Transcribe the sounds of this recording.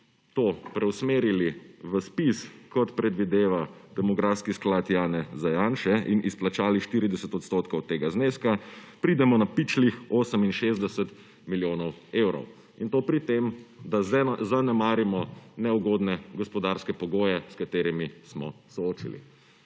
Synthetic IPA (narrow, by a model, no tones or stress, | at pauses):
t̪oːpɾɛwsmeːɾiliʋəspiskɔt̪pɾɛd̪ʋid̪eːʋad̪̥ɛmɔɡɾafskisklat̪jaːnɛzajaːnʃɛʔinʔisplat͡ʃaːliʃt̪iɾid̪ɛsɛt̪ɔt̪st̪oːt̪kɔwt̪eːɡazneːskapɾid̪ɛmɔnapit͡ʃlixoːsəminʃezd̪ɛsɛt̪ | miljoːnɔweːwɾɔ̰w | int̪oːpɾit̪emd̪azanɛmaːɾimɔnɛuɡod̪nɛɡɔspɔd̪aɾskɛpɔɡoːjɛskat̪eːɾimismɔ̰sɔoːt͡ʃḭlḭ